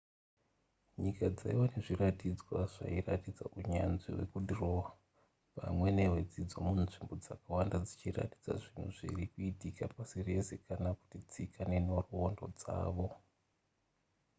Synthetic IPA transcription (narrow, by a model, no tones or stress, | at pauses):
ɲikad͡zaiwane̞ʐiratid͡zwaʐa̰iratid͡za̰uɲanʐḭwe̞̰kudʱirowa | pa̰mwe̞ne̞wed͡zid͡zo̞munʐimbo̞d͡zakawandad͡zit͡ʃira̰ti̥d͡za̰ʐin̤ṵʐḭrikuitikapasire̞se̞kanaku̥tit͡sikʰaneno̞ruondo̞̰d͡za̰ːʋo̞